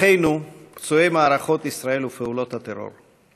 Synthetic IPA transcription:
ejnukt͡suejmaːɾaχo̞t̪isɾae̞lufeulo̞t̪hat̪eɾo̞̰ɾ

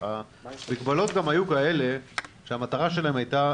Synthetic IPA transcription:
a | bikbalo̞t̪ɡamajukaele̞ʃeamat̪aʁaʃe̞laɦemajta

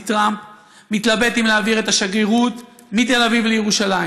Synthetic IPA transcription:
t̪ʁamp | mit̪labe̞t̪imleaːviʁet̪aʃaɡeʁut̪ | mit̪e̞lavivlejeʁuʃala

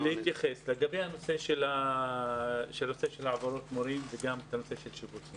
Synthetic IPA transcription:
lehit̪jaχesleɡabehano̞seʃela | ʃelnoseʃelʕavaɾot̪moɾimveɡamt̪anoseʃelʃibuti

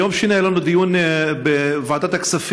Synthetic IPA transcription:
jomʃinajalanud̪ijunbevaːd̪at̪aksaf

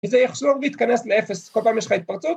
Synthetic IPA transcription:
əzɛjɛχʃloʁviːt̪kanɛsleɛfeskɔlpaːmjɛʃχait̪̚paʁt͡sut

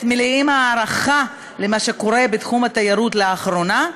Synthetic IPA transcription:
tmiliimaːɾaχa | lemaʃe̞ko̞ʁe̞bet̪χumat̪ajaɾut̪leaχɾo̞na

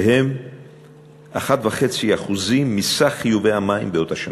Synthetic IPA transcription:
hem | ʔaχat̪vaχe̞t͡siaχuzimːisaχːijuvejhamaḭmbeo̞t̪haʃan

